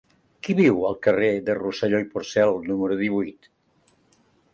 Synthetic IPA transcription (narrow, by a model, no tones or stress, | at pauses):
kiβiwəlˠkəreðərusəʎojpuɾsɛlˠnuməɾuðiβ̞ujt̪